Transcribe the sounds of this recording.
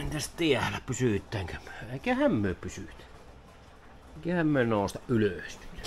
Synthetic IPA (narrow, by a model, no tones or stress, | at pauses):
nt̪æst̪iælæpysyˑt̪ːˑæˑːŋkæmy̥øeˑikæhæmmyøpysyˑt̪æ | eˑikæhæmmyønoˑost̪ɑʔʔyløˑst̪yt̪æ